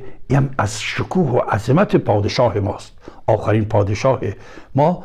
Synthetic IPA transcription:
iːæmæzʃokʰuːhoʔæzemæt̪ʰepʰɒːd̪eʃɒːhemɒːst̪ʔɒːxæɾiːnpʰɒːd̪eʃɒːhe | mɒː

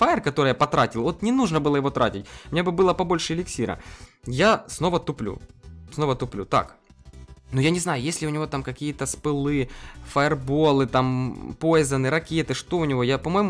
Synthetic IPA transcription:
faɪrkɐt̪o̞ɾɨjapɐt̪ɾatʲɪlˠo̞t̪nʲɪnuʐnəbɨlˠəjɪvo̞t̪ɾatʲɪtʲmʲɪeabɨbɨlˠəpɐbo̞lʲʂɨɪlʲɪksʲiɾə̰jasno̞vət̪ʊplʲṵsnovət̪ʊplʲṵt̪a̰k | nʊjanʲɪznajʊjesʲlʲɪʊnʲɪvo̞t̪amkɐkʲijət̪əspɨlˠɨfɐərbo̞lˠɨt̪ampo̞jɪzɐnɨɾɐkʲet̪ɨʂt̪o̞ʊnʲɪvo̞japɐmo̞jmʊ

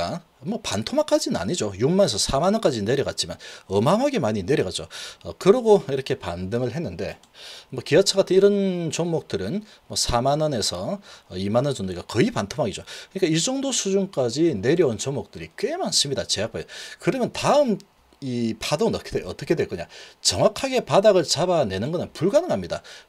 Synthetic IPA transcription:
a | mwʌpantʰomak͈ad͡ʑinɯna̰ɲid͡ʑojuk̚mane̞sʰʌsʰamanʌnk͈ad͡ʑine̞ɾjʌɡat̚t͡ɕ͈ima̰nʌmaŋaɡemaɲine̞ɾjʌɣat̚t͡ɕ͈o̰ʌkɯɾʌɡoiɾʌkʰe̞pandɯŋɯɭɦe̞nːɯnde̞̰ | mʌkiʌt͡ɕʰaɣatʰɯniɾʌnt͡ɕoŋmok̚t͈ɯɾɯn | mwʌsʰamanʌne̞sʰʌːimanʌnt͡ɕondɯiɡakʌipantʰomɦaɡid͡ʑokɯɲik͈aid͡ʑʌŋdosʰud͡ʑunk͈ad͡ʑine̞ɾjʌunt͡ɕoŋmok̚t͈ɯɾik͈wemans͈ɯmɲidat͡ɕe̞akp͈ajokɯɾʌmjʌntaɯm | ipʰadoŋɯnʌkʰeʌt͈ʌkʰe̞dweɭkuɲa̰t͡ɕʌŋwakʰaɡe̞padaɡɯɭt͡ɕabane̞nɯnɡʌnɯnpuɭɡanɯŋɦamɲida̰

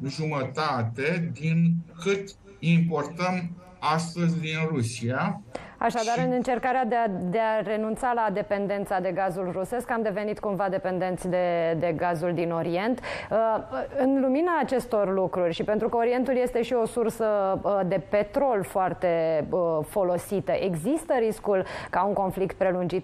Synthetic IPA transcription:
ʒumət̪at̪e̞d̪inkɨt̪ | impo̞rt̪əm | ast̪əzʲd̪inrusiaa̰ʃad̪aɾɨnɨnt͡ʃe̞rkaɾead̪ed̪e̞are̞nunt̪salad̪e̞pe̞nd̪e̞nt̪sad̪e̞ɡazulruse̞skamd̪e̞ve̞nit̪kumvad̪e̞pe̞nd̪e̞nt̪sʲd̪e̞d̪e̞ɡazuld̪ino̞ɾie̞nt̪əɨnluminaːt͡ʃe̞st̪o̞rlukɾurʲʃipent̪ɾukəoɾie̞nt̪ulje̞st̪e̞ʃio̞sursəd̪e̞pe̞t̪ɾo̞lfoart̪e̞əfo̞lo̞sit̪əʔe̞ɡzist̪əɾiskulkauŋko̞nflikt̪̚pɾe̞lund͡ʒit̪̚

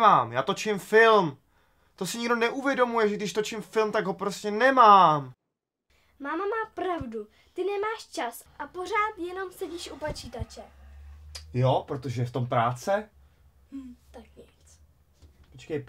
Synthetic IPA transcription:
maːmjaːt̪o̞t͡ʃɪmfɪlm | t̪o̞sɪɲɪɡdo̞nɛʔuvjɛdo̞mujɛʒɛɡdɪʃt̪o̞t͡ʃɪmfɪlmt̪aɡɦo̞pɾoscɛnɛmaːm | maːmamaːpɾavdu | t̪ɪnɛmaːʃt͡ʃas | ʔapo̞r̝aːt̪jɛno̞msɛɟiːʃʔupot͡ʃiːt̪at͡ʃɛ | jopɾot̪oʒɛft̪o̞mpɾaːt͡sɛ | t̪ak̚ɲɪt͡s | pot͡ʃkɛjp

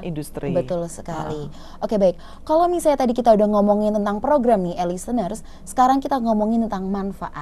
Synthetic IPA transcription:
indust̪ɾibət̪ʊlsə̥kali | ʔokebaɪk̚ːalowmisajat̪adikit̪audahŋomɔŋɪnt̪ənt̪aŋpɾoɡɾamnielisənərsːə̥kaɾaŋkit̪aŋɔmɔŋɪnt̪ənt̪aŋmanfa̰ʔat̪̚

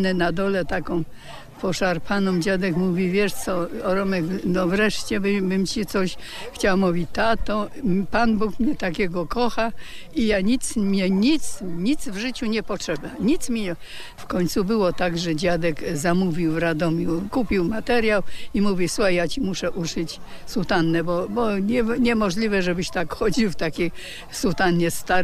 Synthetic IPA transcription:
nɛnad̪ɔlɛt̪akɔ̃w̃ | pɔʂaɾpʰanɔ̃md͡ʑad̪ɛkmuvʲivʲjɛʂt̪sɔɔɾɔmɛknɔvɾɛʂt͡ɕɛbbɘmt͡ɕit̪sɔɕ | xt͡ɕawamuvʲit͡ɕt̪at̪ɔpanbukmɲɛt̪akʲɛɡɔkɔxaijaɲit̪smɲɛɲit̪sɲit̪zvʐɘt͡ɕuɲɛpɔtʂɛbaɲit̪smʲɛ | fkɔɲʲt̪subɘwɔt̪aɡʐɛd͡ʑad̪ɛkzamuvʲiwɾad̪ɔmʲjukupʲiwmat̪ɛɾjawimuvʲjisuxajjat͡ɕimuʂɛʔut͡ʂɘt͡ɕ | sut̪anːɛbɔbɔɲɛɲɛmɔʐlʲivɛʐɛbɘɕt̪akxɔd͡ʑiwft̪akʲe | sut̪anɲɛst̪aɾ

